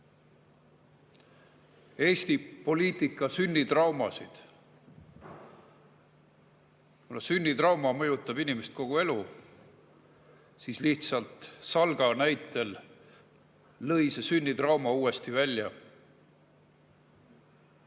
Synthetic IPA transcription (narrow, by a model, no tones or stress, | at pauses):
e̞ːst̪ipo̞lʲiːt̪ˑikːˑɑsynːit̪rɑwmɑsid̪̥ | kunɑsynʲːit̪rɑwmɑmɤjut̪ːˑɑb̥inimest̪̚ko̞ɡ̥ue̞lu | siːsliht̪sɑlt̪ˑsɑlɡɑnæjt̪ːˑe̞l | ɤ̞jse̞synʲːit̪rɑwmɑuːe̞st̪ivælʲːjɑ